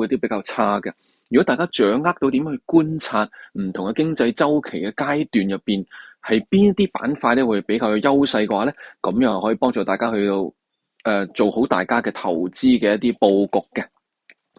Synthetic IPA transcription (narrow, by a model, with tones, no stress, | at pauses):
t̪iː˥pe˨˥jkaː˧wt͡sʰaː˥ɡɛ˧ | jy˨kɔ˨˥t̪aː˨jkaː˥t͡ʃœː˨˥ŋːaː˥k̚t̪o˧wt̪i˨˥mː˥hkuː˥nt͡sʰaː˧t̚m̩˨˩t̪ʰʊ˨˩ŋkɛ˧kɪ˥ŋt͡sɐ˧jt͡sɐ˥wkʰe˨˩jkɛ˧kaː˥jt̪yː˨njɐ˨pːiː˨nhɐ˨˧jpiː˥njɐ˥t̚t̪iː˥pa̰ː˨˥nfaː˧t̚lɛː˥wu˨˧hpe˨˥jkaː˧wjɐ˧jɐ˥wsɐ˧jkɛ˧waː˨˦lɛː˥kɐ˨˥mjɐ˧ŋɐ˨˩hɔː˨˥jiː˨˩pɔː˥ŋt͡sɔː˨˩t̪aː˨jkaː˥hɵ˧t̪o˧w | ʔɛː˧t͡so˨who˨˥wt̪aː˨jkaː˥kɛː˧t̪ʰɐ̰˨˩wt͡siː˥kɛː˧jɐ˥t̚t̪iː˥po˧wkʊ˨kːɛ˧